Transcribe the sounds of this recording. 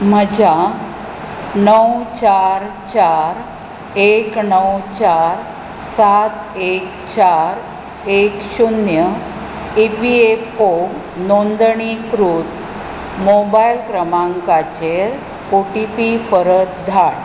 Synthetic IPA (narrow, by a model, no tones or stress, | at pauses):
m̤əd͡ʑʱa | nəwt͡ɕaɾ | t͡ɕaɾ | eknəwt͡ɕaɾ | sat̪ek | t͡ɕaɾ | ekɕunjə | ipiepo | nond̪ɳikɾut̪ | mobajilkɾəmãŋkat͡ɕeɾ | oʈipipəɾət̪̚d̪ʱaɽ